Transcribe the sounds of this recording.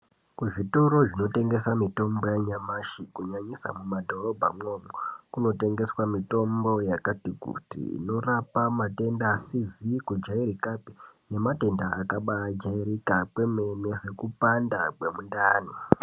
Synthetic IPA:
kuʐitoɾo̞ʐino̞te̞ŋɡe̞swamito̞mbo̞jaɲamaʃikuɲaɲisa̰mumadʱo̞ro̞bʱa̰mo̞mokuno̞te̞ŋɡe̞swamito̞mbo̞jakatikṵtḭḭno̞rapamate̞ndaːsizikud͡ʒaiɾikapi̥ne̞mate̞ndaakaɓaːd͡ʒaiɾikapwe̞me̞ne̞ze̞kupandakwemundaːni

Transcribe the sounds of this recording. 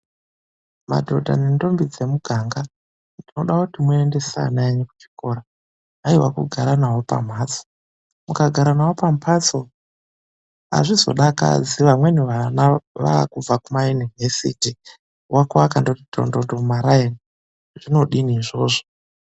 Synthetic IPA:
ma̰dʱo̞dʱa̰nendo̞mbid͡ze̞muɡʱaŋɡa | ndino̞ɗakutimwende̞sa̰naeɲeku̥t͡ʃi̥ko̞ɾaː | iwakuɡʱaɾanawopa̰m̤aːt͡so̥ | mukaɡʱaɾanawo̞pampʰat͡so̞ | a̰ʐizo̞̰ɗaka̰d͡ziʋamwe̞niʋanaʋa̰kub͡vakumajunivesḭti | wʔakwakandotito̰ndondomaɾaeni | ʐino̞ɗiniːʐo̞ːʐo

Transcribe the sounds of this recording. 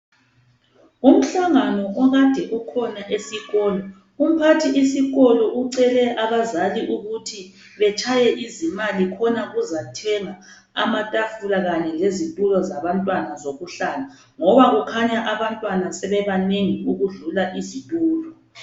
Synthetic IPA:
um̩ɬaŋanɔʔɔɣad̥ʱɛʔukʰɔnaʔesiɣɔːlɔ | um̩pʰatʰiisiɣɔlɔʔuǀɛlɛʔaβazaliʔuɣutʰi | βɛt͡ʃʰʼajɛʔizimalikʰɔnaɣuzatʰɛŋa | a̰matʼafulaɣaɲɛlezintʼulɔzaβantʼwanazoɣuɬala | ŋɔβaɣukʰaɲaʔaβantʼwanasɛβɛβaneŋiuɣuɮulaʔizitʼuːlɔ

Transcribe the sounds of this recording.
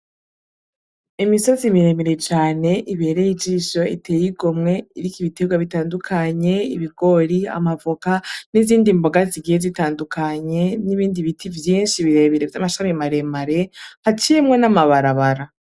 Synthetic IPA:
imiso̞zimiɾemiɾe̞t͡ʃaːne̞ʔiβe̞ɾe̞jid͡ʒiʃo̞iteːjiɡomŋe̞iɾikiβite̞ɡwaβitaːndukʰaɲe̞iβiɡ̥o̞ɾia̰mavokaniziːndimbo̞ɡaziɡije̞zitaːndukʰaɲe̞niβiːndiβitʰivjiːnʃiβiɾe̞βiɾe̞vjamaʃamimaɾe̞maɾe̞hat͡ʃijemŋe̞namaβaɾaβaɾa

